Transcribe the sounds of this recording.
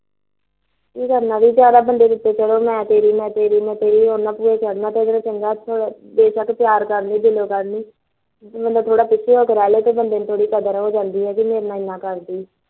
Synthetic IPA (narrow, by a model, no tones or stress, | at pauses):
kiːkəɾnãːd̪iːd͡ʒjaːd̪aːbənd̪eːd̪ɪt̪ːeːt͡ʃəloːmɛ̃ːt̪eːɾiːmɛ̃ːt̪eːɾiːmɛ̃ːt̪eːɾiːɦoːnãːpuːɾeːt͡ʃəɽnãːt̪eːd̪ənãːt͡ʃəŋɡaːt̪ʰoːb̪eːʃəkpjaːɾkəɾniːd̪ɪloːkəɾniː | mə̃nd̪aːt̪ʰoːɽaːpɪt͡ʃʰːiːɦoːkəɾaːleːt̪eːbənd̪eːnt̪ʰoːɽiːkəd̪əɾɦoːd͡ʒãːnd̪iːɦɛːkɪmeːɾnaːɪnãːkəɾd̪iː